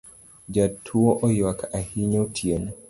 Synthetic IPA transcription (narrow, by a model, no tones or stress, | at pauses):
d͡ʒatʰːuɔʔɔjwakahiɲotʰjen